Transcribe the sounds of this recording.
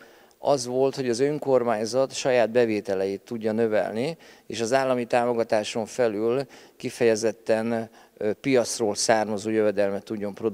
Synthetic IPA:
ɒzʋo̞lt̪hoɟɒzø̞ŋko̞rmaːɲzɒt̪ʃɒjaːd̪̚bɛveːt̪ɛlɛjit̪ːuɟːɒnø̞vɛ̰lniḛːʃɒzaːlːɒmit̪aːmo̞ɡɒt̪aːʃo̞ɱfɛlylkifɛjɛzɛt̪ːɛn | pijɒt̪sroːlsaːrmɒzoːjøvɛd̪ɛlmɛt̪ːuɟːo̞mpro̞d̪

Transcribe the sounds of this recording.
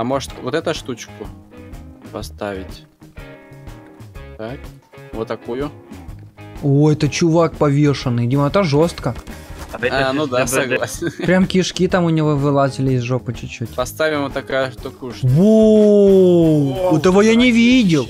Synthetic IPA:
ɐmo̞ʐɨt̪vot̪ɛt̪əʂt̪ut͡ɕkʊ | pɐst̪avʲɪtʲ | t̪ak | vot̪ːɐkujʊ | ojɛt̪ət͡ɕʊvak̚pɐvʲeʂɨnːɨjdʲiməɛt̪əʐost̪kəɐɛanud̪asɐɡlˠasʲnpɾʲamkʲɪʂkʲit̪amʊnʲɪvovɨlˠazʲɪlʲɪzʐopət͡ɕʊt͡ɕːotʲpɐst̪avʲɪmvot̪ːɐkajʊʂt̪ukujʊʂvo | ɛt̪əvojanʲɪvʲidʲɪlˠ

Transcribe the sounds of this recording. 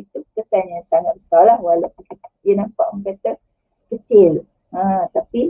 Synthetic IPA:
it̪ukəsanɲãsaŋat̪̚bəsalahwalawpunkəjənãmpaʔaŋkat̪ə | kət͡ʃɪl | ãt̪api

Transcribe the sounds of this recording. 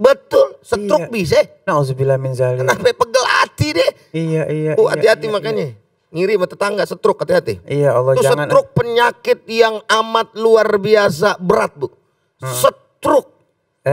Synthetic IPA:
bət̪ʊlsət̪ɾʊk̚bis̬a | ausubilaminzalənapapəɡəla̰t̪idɛ | ijaijaʊa̰iɦat̪imakaɲa | ŋiɾimat̪ət̪aŋɡaʔsət̪ɾʊkat̪iɦat̪ḭijaɔlːɔtsəŋaɾʊk̚pəɲakɪt̪̚jaŋamat̪̚luarbias̬abəɾat̪̚bʊk̚ | sət̪ɾʊk̚

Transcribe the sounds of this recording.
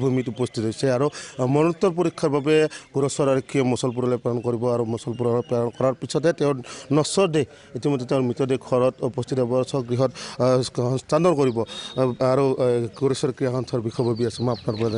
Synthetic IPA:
bʱumitupɔst̪ʰit̪ɦɔjsɛaɾumɔnɔt̪ːɔɾp̬ɔɾikʰːaɾbabekuɾɔsɔɾaɾɔkʰːijɔmɔsɔlp̬uɾɔlapalɔnɔkɔɾibɔaɾumɔsɔlp̬uɾɔɾɔpaɔnkɔɾaɾpisʰɔd̪ɛtɛʊ̃nɔsɔɾde | itimɔd̪ːeteʊ̃ɾmit̪ɔdekʰɔɾɔtupɔst̪ʰit̪abɔsɔɡɾiɦɔt̪̚ | standɔɾkɔɾibɔaɾukuɾɔsɔɾkɾijakʰɔnt̪ʰɔɾbikʰɔbʱabiasimɔapnaɾpɔɾad

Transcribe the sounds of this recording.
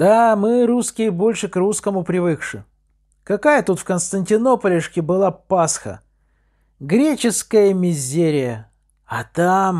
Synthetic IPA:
d̪̥amɨɾuskʲɪjəbo̞lʲʂɨkruskəmʊpɾʲɪvɨkʂɨ̰ | kɐkajət̪ut̪fkənst̪ənʲtʲɪno̞pəlʲɪʂkʲɪbɨlˠapasxə̰ | ɡɾʲet͡ɕɪskəjəmʲɪzʲːeɾʲɪjə | ɐt̪am

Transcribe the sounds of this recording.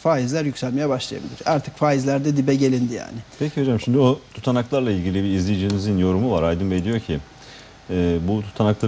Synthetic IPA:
faːizlʲæɾjycsælʲmejabaʃlˠa̰ja̰bilʲˠḭɾaɾt̪ʰɯ̥kfaːizlʲæɾd̪ɛd̪ibɛɟe̞lʲind̪ija̰ːnɪpʰecʰiho̞d͡ʒamʃimd̪iot̪ʰu̥t̪ʰanaklˠaɾlˠailʲɟʲilʲibiizlʲejid͡ʒinizinjo̞ɾumuvaɾajd̪ɯnbejd̪ijo̞ɾcʰi | ɛːbut̪ʰu̥t̪ʰanaklˠa

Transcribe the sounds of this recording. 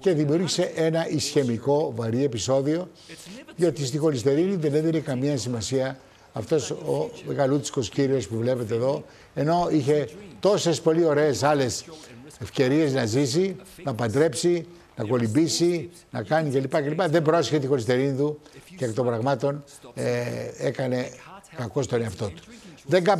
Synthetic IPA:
ce̞ðimiuɾʝise̞ʔe̞nɐʔisçe̞miko̞vɐɾie̞piso̞ðio̞ | ðio̞t̪ist̪ixo̞list̪e̞ɾiniðe̞neðinekɐmiɐsimɐsiɐ | ɐft̪o̞someɣɐlut̪i̥sko̞sciɾio̞spuvle̞pe̞t̪eːðo̞ | e̞no̞içe̞t̪o̞se̞spo̞lio̞ɾe̞ːsɐle̞se̞fce̞ɾie̞znɐzisinɐːpɐnd̪ɾe̞psi | nɐko̞libisi | nɐkɐnice̞lipɐce̞lipɐðe̞mbɾo̞seçet̪ixo̞list̪e̞ɾinit̪ucekt̪o̞mbɾɐɣmɐt̪o̞n | ee̞kɐne̞kɐko̞st̪oneɐft̪o̞t̪u̥ðe̞ŋɡɐ

